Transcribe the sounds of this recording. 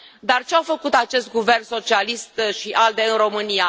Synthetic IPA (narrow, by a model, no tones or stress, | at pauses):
d̪art͡ʃeawfəkut̪at͡ʃe̞st̪̚ɡuvernso̞t͡ʃialist̪ʃiʔald̪e̞ɨnro̞mɨnia